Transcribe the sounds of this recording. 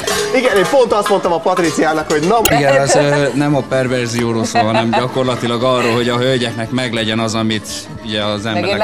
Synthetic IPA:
iɡɛneːfo̞nt̪ɒst̪mo̞nt̪ɒmɒpɒt̪rit̪sijaːnɒkho̞ɟnɒmiɡɛnɒzøːnɛmɒpɛrvɛrzijoːɾoːlsoːɦɒnɛmɟɒko̞rlɒt̪ilɒɡɒrːoːlɦo̞ɟɒɦølɟɛknɛkmɛɡlɛɟɛnɒzɒmit̪ | uɟɛɒzɛmbɛɾɛ

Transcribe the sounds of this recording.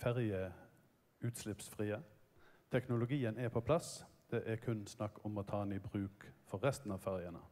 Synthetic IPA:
fæʁjə | ʉːt̪slɪpsfʁiːət̪ʰɛknʊlʊɡiːənɛpʰɔpʰlɑsd̪̥ɛʔɛɾkʰʉnsnɑkːɔmɔt̪ʰɑːnɪbʁʉːkfɔʁʁɛst̪n̩ɑːʋfæʁjənə̰

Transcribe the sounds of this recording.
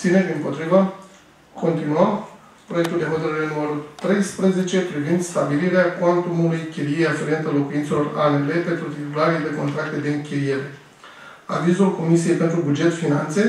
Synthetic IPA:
sineɾʲimpo̞t̪ɾivə | ko̞nt̪inuəm | pɾoje̞k̚t̪uld̪e̞ɦo̞t̪əɾəɾenuməɾult̪ɾe̞jspɾe̞ze̞t͡ʃe̞pɾivind̪st̪abiliɾeakwant̪umulujkʲeliejafeɾient̪alo̞kuint̪se̞lo̞ra̰nele̞pe̞nt̪ɾut̪it̪ulaɾed̪e̞ko̞nt̪ɾak̚t̪e̞d̪e̞ɨŋkʲiije̞ɾe̞ | a̰vizulko̞misije̞jpe̞nt̪ɾubud͡ʒe̞t̪finant̪se̞

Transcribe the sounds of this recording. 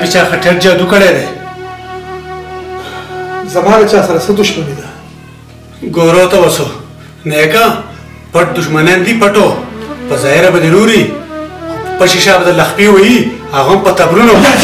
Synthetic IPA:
bit͡ʃaːxɐʈeɾ̚d͡ʒaːd̪ukɐɽeːd̪eː | zɐmaːlɐt͡ʃaːsɐɾɐsɐd̪uʃmɐnid̪a | ɡoːɾoːt̪ɐwɐso | neːka | pɐʈ̚d̪uʃmɐneːnd̪ipɐʈopɐzaːɦiɾɐbɐd̪eɾuːɾi | opɐʃiʃaːbɐd̪ɐlɐxpiwɐjihɐɣɐmpɐt̪ɐbɾuno

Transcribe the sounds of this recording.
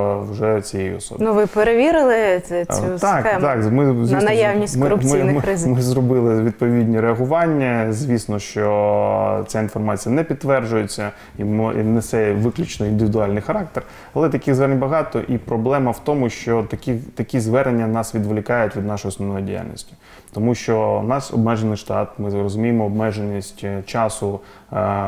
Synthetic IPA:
wʒɛt͡sʲijejʊ̰ɔ̰sɔ̰bnʊʋɪpeɾeʋʲiɾɪlˠɪt͡sɛut̪ɑkɛt̪ɑkmɪzʋʲisnɐjawnʲistʲmɪrʊpmʲinɾɪzmɪzɾɔbɪlˠɪʋʲid̪̚pɔʋʲidʲnʲiɾeɐɦʊʋɑnʲːɐzʲʋʲisnɔʃt͡ʃɔ | t͡sʲainfɔrmɑt͡sʲijɐnɛpʲid̪tːʋɛrd͡ʒʊjet͡sʲːɐ | iminesɛʋɪklʲʊt͡ʃnɔind̪ɪʋʲɪd̪ʊɑlʲnɪjxɐɾɑk̚t̪er | ɐlˠɛt̪ɐkʲiɣzʋɛɾenʲbɐɦɑt̪ɔʔipɾɔblˠɛmɐwt̪ɔmʊʃt͡ʃɔt̪ɐkʲixt̪ɐkʲizʋɛɾenʲːɐnɑsʋʲid̪ʋlʲɪkɑjʊtʲʋʲid̪nɑʃɔjɔsnɔʋnɔjidʲija̰lʲnʲḭsʲtʲi̥ | t̪ɔmuʃt͡ʃɔnɑsɔ̰bmɛʒenɪjʃt̪ɑt̪mɪrɔzʊmʲijemɔːb̚mɛʒenʲːisʲtʲt͡ʃɑsʊ

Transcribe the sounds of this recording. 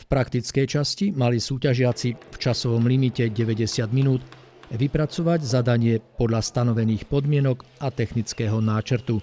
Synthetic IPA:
fpɾakt̪it͡skɛjt͡ʃascimalisuːcaʒɪat͡sift͡ʃasɔʋɔmlimicɛɟɛʋɛɟɛsɪad̪minuːt̪ | ʋipɾat͡sɔʋaɟzad̪aɲɪɛpɔd̪ʎast̪anɔʋɛniːxpɔd̪mɪɛnɔkat̪ɛxnit͡skɛːɦɔnaːt͡ʃɾt̪u

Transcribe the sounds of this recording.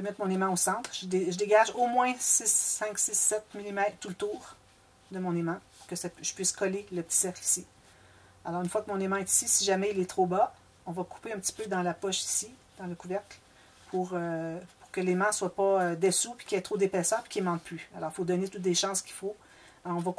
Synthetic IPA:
ʒəvømɛt̪mɔ̃nemɑ̃osɑ̃t̪χʒəd̪ʒəd̪eɡʲaʒomwɛ̃sɪsːɛ̃ksɪsɛt̪̚milimɛt̪t̪ulət̪uːʁ | d̪əmɔ̃nemɑ̃pu̥ʁkəsaʒə̥pɥiskɔleləpət̪i̥sɛʁkli̥si | alɔːʁynfwakəmɔ̃nemɑ̃ɛt̪i̥sisiʒamɛilɛt̪χoba | ɔ̃vakʰu̥peɛ̃p̚t̪i̥pød̪ɑ̃lapɔʃi̥sid̪ɑ̃ləkuvɛʁkl | pʰuʁøpu̥ʁkəlemɑ̃swapaød̪esupi̥kʲɛt̪ʁod̪epɛːsœːʁpi̥kʲemɑ̃t̪̚plyalɔːʁifod̪ɔnet̪ut̪̚d̪eʃɑ̃skʲi̥fo | aʁɔ̃vak

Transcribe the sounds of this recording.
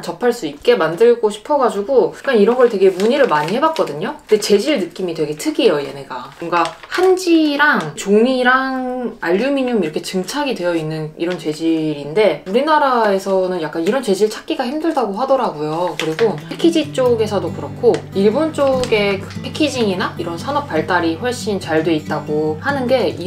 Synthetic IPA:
t͡ɕʌpʰaɭs͈uik̚k͈e̞mandɯɭɡoɕʰi̥pʰʌɡad͡ʑuɡojak͈aniɾʌnɡʌɭtwe̞ɡe̞muɲiɾɯɭmaɲiɦe̞bat̚k͈ʌdɯɲokɯnde̞t͡ɕe̞d͡ʑiɭnɯk͈imitwe̞ɡe̞tʰɯɡiejoje̞meɡaoŋɡahand͡ʑiɾaŋt͡ɕomiɾaŋaʎːumiɲumiɾʌkʰe̞t͡ɕɯŋt͡ɕʰaɡidwe̞jʌinːɯniɾʌnt͡ɕe̞d͡ʑiɾinde̞uɾinaɾae̞sʰʌnɯnjak͈aniɾʌnt͡ɕe̞d͡ʑiɭt͡ɕʰak͈iɡaɦimdɯɭdaɡoɦadʌɾaɡujokɯɾiɡoekʰed͡ʑit͡ɕ͈oɡe̞sʰʌdokɯɾʌkʰoiɭbont͡ɕ͈oɡe̞kɯpʰe̞kʰid͡ʑiŋinaiɾʌnsʰanʌp̚p͈aɭt͈aɾiɸwʌɭɕ͈int͡ɕaɭdoit̚t͈aɡohanɯnɡe̞i

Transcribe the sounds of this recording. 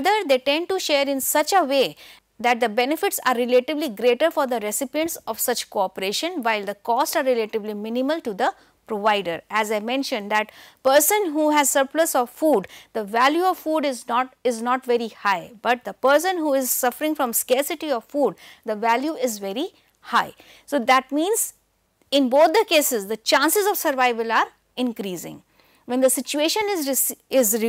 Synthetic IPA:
d̪əɾd̪eːʈɛ̃ɳɖ̚ʈuʃeːɾɪ̃nsʌt͡ʃəʋeː | d̪æʈ̚d̪əbɛnɪfɪʈsa̰ːɾːɪleʈɪbliɡɾeːʈəɾfɔɾd̪əɾɛsɪpiə̃ɳʈsɔʋsʌt͡ʃkoɔpəɾeːʃə̃nʋaɪld̪əkɔːsʈsaɾɪleʈɪʋlimɪ̃nɪməlʈud̪ə | pɾoʋaɪɖəɾæzaɪmɛ̃nʃə̃nd̪æʈpəɾsə̃nɦuːɦæzsəɾpləsɔʋfuːɖd̪̥əʋæljuɔʋfuːɖɪznɔɪznɔːʈʋɛɾihaɪbʌʈ̚d̪əpəɾs̬ə̃nɦuːɪzsʌfəɾɪ̃ŋfɾɔ̃mskɛɾsɪʈiɔʋfuːɖd̪əʋæljuɪzʋɛɾi | haɪ | soːd̪æʈ̚mĩːnz | ɪ̃nboːt̪̚ʰd̪əkeːsɪzd̪ət͡ʃãːnsɪzɔʋsəɾʋaɪʋəlaːɾ | ɪ̃nkɾiːzɪ̰̃ŋ | ʋɛ̃nd̪əsɪt͡ʃueːʃə̃nɪzɪzɾ

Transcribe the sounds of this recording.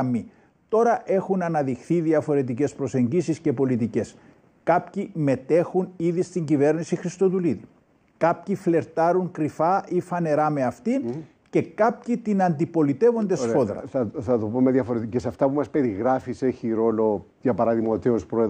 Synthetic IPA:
mːi | t̪o̞ɾɐʔe̞xunɐnɐðixθiðiɐfo̞ɾe̞t̪̬ice̞spɾo̞se̞ɲɟisisce̞po̞lit̪̬ice̞s | kɐpcime̞t̪e̞xuniðist̪iɲɟive̞ɾnisixɾist̪o̞t̪uliði | kɐpçifle̞ɾt̪ɐɾuŋkɾifɐifɐne̞ɾɐme̞ɐft̪in | ce̞kɐpcit̪inɐnd̪ipo̞lit̪e̞vo̞nd̪essfoðɾɐ̰θɐt̪opomeðjɐfoɾet̪cesɐft̪ɐpumɐspe̞ɾiɣɾɐfiseçiɾo̞lo̞ | ʝɐpɐɾɐðimɐot̪iospɾoe

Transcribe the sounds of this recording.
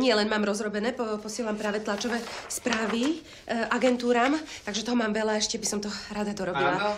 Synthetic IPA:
ɲɪɛlɛnmaːmɾɔzɾɔbɛnɛːpɔpɔsɪɛlampɾaːʋɛt̪lat͡ʃɔʋɛːspɾaːʋi | ʔaɡɛnt̪uːɾaːmt̪aɡʒɛt̪ɔɦɔmaːmʋɛlaɛʃcɛbisɔmt̪ɔɾad̪ad̪ɔɾɔbila

